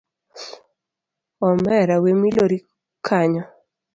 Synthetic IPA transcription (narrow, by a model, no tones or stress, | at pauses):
ɔmɛɾawemiloɾi | kʰaɲɔ